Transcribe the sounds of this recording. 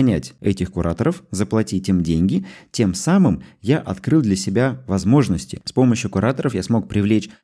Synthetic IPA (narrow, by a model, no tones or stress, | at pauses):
nʲætʲɛtʲɪxkʊɾʔat̪əɾəfzəplˠɐtʲitʲɪmdʲenʲɡʲɪtʲe̞msamɨmjaʔɐt̪kɾɨlˠd̪lʲəsʲɪbʲavɐzmo̞ʐnəsʲtʲɪ̰spo̞məɕjʊkʊɾʔat̪əɾəfjasmo̞k̚pɾʲɪvlʲet͡ɕ